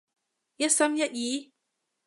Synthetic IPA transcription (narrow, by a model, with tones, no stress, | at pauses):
jɐ˦˥t̚sɐ˥mjɐ˦t̚jiː˨˦